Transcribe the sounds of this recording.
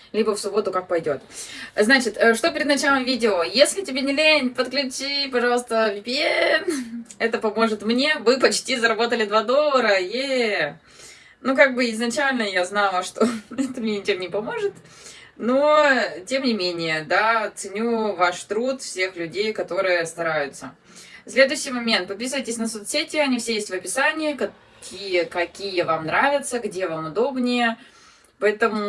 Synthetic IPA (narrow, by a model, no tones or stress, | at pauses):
lʲibəfsʊbo̞t̪ʊkak̚pɐjdʲo̞t̪znat͡ɕɪt̪əʂt̪o̞pʲɪɾʲɪd̪nɐt͡ɕalˠəmvʲidʲɪojesʲlʲɪtʲɪbʲenʲɪlʲenʲpət̪̚klʲʉt͡ɕipɐʐɑlˠst̪əvʲɪpʲɪɛnɛt̪əpɐmo̞ʐɨt̪mnʲe̞vɨpɐt͡ɕtʲizəɾɐbo̞t̪əlʲɪd̪vad̪o̞lˠːəɾəje | nukaɡ̚bɨɪznɐt͡ɕælʲnəjaznalˠəʂt̪oɛt̪əmnʲenʲɪt͡ɕemnʲɪpɐmo̞ʐɨt̪ | notʲe̞mnʲɪmʲenʲɪjəd̪at̪sɨnʲuvaʂt̪ɾut̪fsʲe̞xlʲʉdʲejkɐt̪o̞ɾɨjəst̪ɐɾajʊt̪sə | sʲlʲe̞d̪ʊjɕːɪjmɐmʲent̪̚pɐpʲisɨvəjtʲɪsʲnəsot̪sʲetʲɪɐnʲifsʲejesʲtʲvɐpʲɪsanʲɪjəkɐ | kʲʰijəkɐkʲijəvamnɾavʲɪt̪səɡdʲevamʊd̪o̞bnʲɪjə | pɐɛt̪əmʊ